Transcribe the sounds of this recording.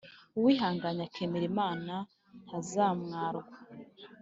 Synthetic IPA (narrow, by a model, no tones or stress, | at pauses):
uwiːɦaːŋɡaɲakʰemeɾemaːna | hazaːmŋaːɾɡwa